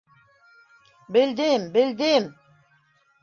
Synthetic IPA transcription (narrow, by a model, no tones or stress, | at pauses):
bɪld̪ɪmbɪld̪ɪm